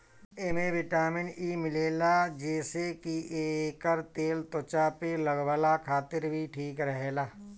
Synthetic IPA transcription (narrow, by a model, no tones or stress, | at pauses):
emeʋɪʈaːmɪ̃ɳiːmɪleːlad͡ʒeːsekiʔeːkəɾt̪eːlt̪ʊt͡ʃapeləɡwəlakʰaːt̪ɪɾbʱiʈʰiːkɾəɦeːlaː